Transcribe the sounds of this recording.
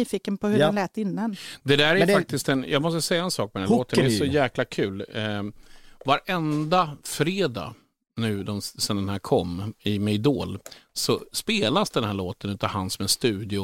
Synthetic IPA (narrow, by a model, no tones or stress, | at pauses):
iːfɪkːənpʰɔhɵɛnlɛːt̪ːɪnːand̪ɛd̪æːɾæfak̚t̪ɪst̪ɛnjʔɑːɡmɔs̬t̪əsɛjːaɛnsɑːk̚mɔɛdɛnːoːt̪ənɛɾsɔjæːklakʰʉ̟ːl | vaɾʔɛnd̪afɾeːd̪a̰ | nʉ̟ːd̪ɔmsɛnd̪ɛnhæːɾkʰɔmːɪmɛd̪o̰ːlsɔspeːlasd̪ɛnhæːɭoːt̪ənʉ̟ːt̪avhansɔmɛnst̪ʉ̟ːd̪ɪʊ